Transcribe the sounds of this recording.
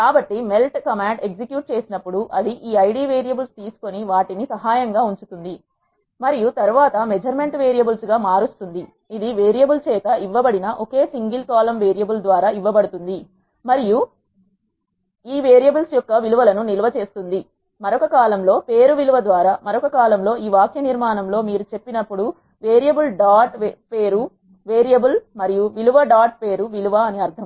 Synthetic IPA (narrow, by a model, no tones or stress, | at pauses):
kaːbɐʈːime̞lʈkɐmaːɳɖeks̬ikjuːʈ̚t͡ʃe̞ːsinɐpːuɽuʔɐd̪iʔiːɐjɽiːʋeːɾijɐbulst̪iːsu̥ko̞niʋaːʈinisɐɦaːjɐŋɡaːuɲt͡ʃut̪und̪i | mɐɾijut̪ɐɾuʋaːt̪ɐmed͡ʒɐɾme̞ɳʈʋeːɾijɐbulsɡaːmaːɾust̪und̪i | id̪iʋeːɾijɐbult͡ʃɛːt̪ɐiʋːɐbɐɽinɐʔoke̞ːsiŋɡilkaːlɐmʋeːɾijɐbuld̪ʋaːɾaːiʋːɐbɐɽut̪und̪i | mɐɾiju | iːʋeːɾijɐbulsjɔkːɐʋiluʋɐlɐnuniluʋɐt͡ʃe̞ːst̪und̪i | mɐɾɔkɐkaːlɐmlo̞ːpe̞ːɾuʋiluʋɐd̪ʋaːɾaːmɐɾɔkɐkaːlɐmlo̞ːiːʋaːkjɐniɾmaːnɐmlo̞ːmiːɾut͡ʃe̞pːinɐpːuɽu | ʋe̞ːɾijɐbulɖaːʈpeːɾu | ʋe̞ːɾijɐbulmɐɾijuʋiluʋɐɖaːʈ̚pe̞ːɾuʋiluʋɐːneɐɾt̪ʰɐm